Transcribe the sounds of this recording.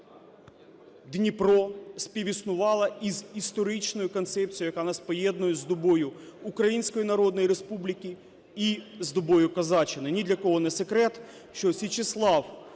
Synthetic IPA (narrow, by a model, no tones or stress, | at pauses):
d̪nʲipɾɔsʲpʲiʋʲisnʊʋɑlˠɐizist̪ɔɾɪt͡ʃnɔjʊkɔnt̪sɛp̚t͡sʲijɐkɑnɐspɔjɛd̪nʊjɛzd̪ɔbɔjʊ | ukɾɐjinʲsʲkɔjinɐɾɔd̪nɔjiɾespublʲikʲi | izd̪ɔbɔjʊkɐzɑt͡ʃɪnɐnʲid̪lʲɐkɔɦɔnɛsekɾɛt̪ | ʃt͡ʃɔsʲit͡ʃɪslˠɑw